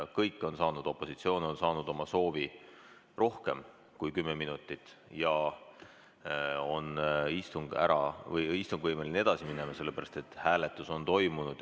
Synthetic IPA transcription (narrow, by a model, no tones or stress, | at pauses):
kɤjkːˑo̞nsɑːnud̪o̞pːˑo̞sit̪sio̞ːno̞nsɑːnud̪o̞mɑso̞ːvi | ro̞hke̞m | kujkymːeminut̪ːˑit̪ːˑ | jɑ | o̞nist̪uŋɡ̥æ̰ɾɑ̰vɤjist̪uŋɡ̥vɤjmeline̞d̪̥ɑsimine̞mɑse̞lːe̞pæɾɑst̪e̞t̪ːˑhæːle̞t̪ːˑuso̞nt̪o̞jmunud̪̥